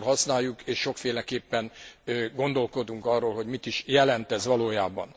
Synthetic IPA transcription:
lɦɒsnaːjːukeːʃːo̞kfeːlɛkeːpːɛnːɡo̞nd̪o̞lko̞d̪uŋkɒrːoːlɦo̞ɟmit̪iʃjɛlɛnt̪ɛzʋɒloːjaːbɒ̰n

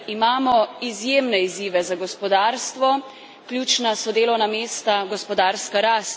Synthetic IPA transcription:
imaːmɔizjeːmnɛiziːʋɛzaɡɔspɔd̪aːɾst̪ʋɔ | kljuːt͡ʃnasɔd̪eːlɔwnameːst̪aɡɔspɔd̪aːɾskaɾast̪

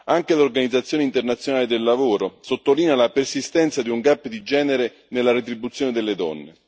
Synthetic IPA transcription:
aŋk̟elorɡanid̪zat̪sːjoːneint̪ernat̪sjonaːled̪elːavoːɾosot̪ːoliːnalapersist̪ɛnt̪sad̪iuŋɡapːd̪id͡ʒɛːneɾe | nelːaɾet̪̬ɾibːut̪sːjoned̪elːed̪ɔ̰nːḛ

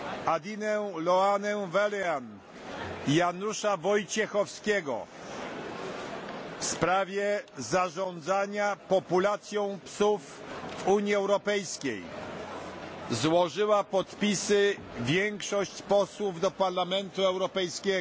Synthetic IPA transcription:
ad̪ʲinɛlɔanɛwvɛlɛan | januʂavɔjt͡ɕɛxɔfskʲɛɡɔ̰ | fspɾavʲjɛzaʐɔ̃nd̪zaɲapɔpulat̪sʲjɔ̃w̃psufvuɲiɛwɾɔpɛjskʲḛj | zwɔʐɘwapɔt̪pʲisɘ | vʲjɛŋkʂɔɕt͡ɕpɔswuvd̪ɔpaɾlamɛnt̪uɛwɾɔpɛjskʲɛ

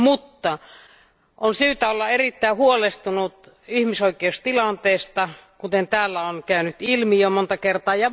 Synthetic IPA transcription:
mut̪ːɑ | ʔonsyːt̪æolːɑerit̪ːæˑihuolest̪unut̪ | ihmisoikˑeust̪ilɑnt̪eːst̪ɑkut̪ent̪æːlːæonkæynyt̪ilmijomont̪ɑkert̪ɑːjɑ

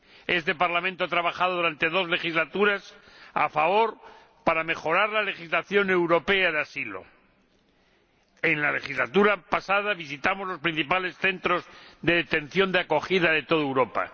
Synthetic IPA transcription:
e̞st̪e̞paɾlament̪oat̪ɾaβaxað̞oðuɾant̪e̞ðo̞zle̞xizlat̪uɾasa̰faβo̞ɾ | paɾame̞χo̞ɾaɾlale̞χizlaθjo̞newɾo̞pe̞aðeasilo̞̰ | enlale̞xizlat̪uɾapasað̞aβis̬it̪amo̞zlo̞spɾin̟θipale̞sθe̞nt̪ɾo̞zðe̞ðet̪e̞nθjo̞nd̪eako̞χiðaðe̞t̪o̞ðewɾo̞pa̰

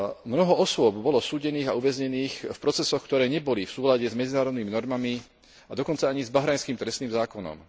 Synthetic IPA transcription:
mnɔɦɔɔsʊɔbbɔlɔsuːɟɛniːɣauʋɛzɲɛniːxfpɾɔt͡sɛsɔxkt̪ɔɾɛːɲɛbɔlifsuːlaɟɛzmɛd͡zinaːɾɔd̪niminɔɾmami | ad̪ɔkɔnt͡saaɲizbaɦɾajnskiːmt̪ɾɛst̪niːmzaːkɔnɔ̰m

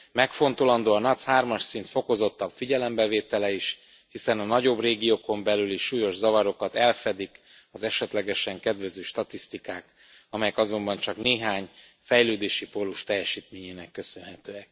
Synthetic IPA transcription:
mɛkfo̞nt̪olɒnd̪oːɒnɒshaːrmɒʃsint̪fo̞ko̞zo̞t̪ːɒbfiɟɛlɛmbɛveːt̪ɛlɛiʃ | hisɛnɒnɒɟo̞breːɡijoːko̞mbɛlyliʃːuːjo̞ʒzɒvɒɾo̞kɒt̪ɛlfɛd̪ik | ɒzɛʃɛt̪lɛɡɛʃɛŋkɛd̪ʋɛzøːʃt̪ɒt̪ist̪ikaːk | ɒmɛjɛkɒzo̞mbɒnt͡ʃɒkneːɦaːɲ | fɛjløːd̪eːʃipo̞lːuʃt̪ɛjːɛʃiːt̪meːɲeːnɛkːø̞sø̞nɦɛt̪øːɛk̚

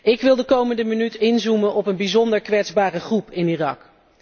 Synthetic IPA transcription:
ɪkʋɪlˠdəkowməndəmənytɪnzumənʔɔpənbizɔndəɹkʋɛdzbaːrəχrupʰɪnirɑ̰k

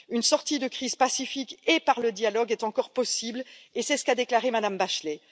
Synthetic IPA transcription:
ynsɔʁt̪id̪əkχiz̥pasifikepaʁləd̪jalɔɡɛt̪ɑ̃kɔʁpɔsiblesɛsə̥kad̪eklaʁemad̪ambaʃlɛ

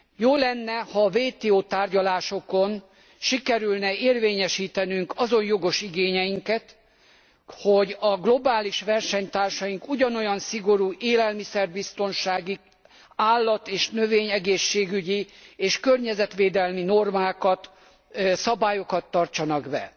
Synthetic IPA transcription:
joːlɛnːɛhɒːveːt̪eːoːt̪aːrɟɒlaːʃo̞ko̞n | ʃikɛɾylnɛeːrveːɲɛʃiːt̪ɛnyŋkɒzo̞njo̞ɡo̞ʃiɡeːɲɛjiŋkɛt̪ | ho̞ɟɒɡlo̞baːliʃʋɛrʃɛɲt̪aːrʃɒjiŋkuɟɒno̞jɒnsiɡo̞ɾuːʔeːlɛlmisɛrbist̪o̞nʃaːɡi | aːlːɒt̪eːʃnø̞veːɲɛɡeːʃːeːɡyɟieːʃkørɲɛzɛt̪ʋeːd̪ɛlmino̞rmaːkɒt̪ | sɒbaːjo̞kɒt̪ːɒrt͡ʃɒnɒɡbɛ̰

